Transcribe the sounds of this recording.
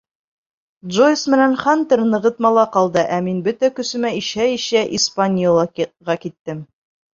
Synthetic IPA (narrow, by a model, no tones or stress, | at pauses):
d̪ʒojsmɘ̆nænχɑnt̪ɘɾnɤ̆ʁɤ̆t̪mɑlˠɑqɑlˠd̪ɤʔæminbɵt̪ækɵ̆sɘ̆mæiɕæiɕæʔispanʲijolˠɑʁɑkit̪ːɘm